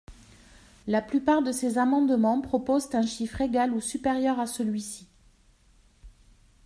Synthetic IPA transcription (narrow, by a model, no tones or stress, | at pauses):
laplypaʁd̪əsezamɑ̃d̪mɑ̃pχɔpɔzt̪ɛ̃ʃifχeɡalusypeʁjœʁasəlɥisi